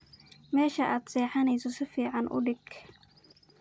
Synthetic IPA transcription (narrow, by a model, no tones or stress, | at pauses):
mɛːʃɐʔaːd̪sɛːħɑnɛjsɔsɪfiːʕɑnʔʊ̰ɖɪɡ